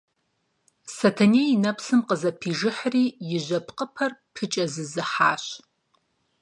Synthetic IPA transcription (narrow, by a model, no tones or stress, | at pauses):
sɐtʰɐnejinɐpʰsɨmqʼəzɐpʰiʐɨħriːjɪʒʷɐpʰqʼəpʰɐrpʰɨt͡ʃʼɐzɨzɨħa̰ːɕ